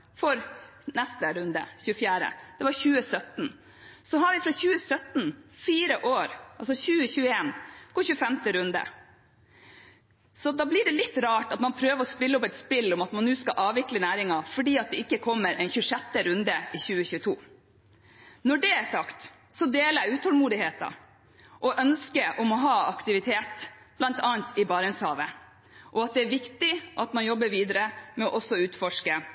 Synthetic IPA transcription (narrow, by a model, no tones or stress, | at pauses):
fɔɾ | nɛst̪əɾʉnd̪ə̰çʉːəfjæːɾə̰d̪̥ɛʋɑɾçʉːəsœt̪n̩ | sɔɦɑɾʋɪfɾɑçʉːəsœt̪nfiːɾəʔoːɾɑlsɔçʉːəçʉːəeːnɔçʉːfɛmt̪əɾʉnd̪ə̰ | sɔd̪ɑːblɪɖɛlɪt̪ːɾɑːʈɑt̪mɑnpʰɾøːʋəɾɔspɪləɔpɛɪt̪spɪlːɔmɑt̪mɑnːʉːskɑʔɑːʋɪklənæːɾɪŋɑfɔɖiːɑt̪̚d̪ɛɪkːəkʰɔmːəɾʔɛɪnçʉʂɛt̪ːəɾʉnd̪əɪçʉːəçʉːət̪ʰuː | nɔɖɛæsɑkt̪ | sɔd̪eːləæʉːt̪hɔlmuːd̪ɪheːt̪ɑ̰ | ʔɔʔœnskəʔɔmɔɦɑːɑkt̪ɪʋɪt̪ʰeːt̪b̥lɑnt̪ɑːnt̪ʰɪbɑːɾɛnshɑːʋə | ʔɔɑt̪̚d̪ɛæɾʋɪkt̪ɪʔɑt̪mɑnjɔbːəɾʋiːd̪əɾəmɛɔʔɔsːɔʉːt̪fɔʂkə